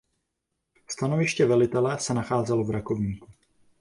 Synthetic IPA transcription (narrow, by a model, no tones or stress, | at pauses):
st̪anovɪʃcɛvɛlɪt̪ɛlɛsɛnaxaːzɛlovɾako̞vɲiːku